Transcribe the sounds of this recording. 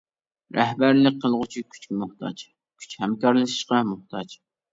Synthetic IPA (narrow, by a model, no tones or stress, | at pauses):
ɾʔɛhbæɾlɪk̚qʰːəlˠʁʊt͡ʃʰikʲʰy̥t͡ʃkʲmʊht̪ʰɑ̰t͡ʃ | kʲʰy̥t͡ʃhɛmkɑɾlˠɨʃi̥ʃqɑmʊht̪ʰɑt͡ʃ